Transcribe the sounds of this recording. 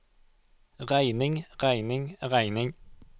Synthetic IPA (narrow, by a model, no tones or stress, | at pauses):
ʁæɪnɪŋʁæɪnɪŋʁæɪnɪŋ